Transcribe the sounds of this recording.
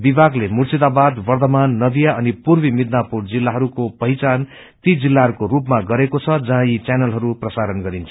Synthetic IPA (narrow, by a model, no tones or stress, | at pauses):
bibʱaɡlemurt͡sid̪abad̪bʌrt̪ʌmanːʌd̪ijaʌnipurbimid̪napuɽd͡zilːaɦʌɾukopʌɦit͡san | t̪id͡zilːaɦʌɾukorupmaɡʌɾekot͡sʰʌd͡zʌɦãjit͡sanʌlɦʌɾuprʌsaɾʌnɡʌɾint͡sʰu̥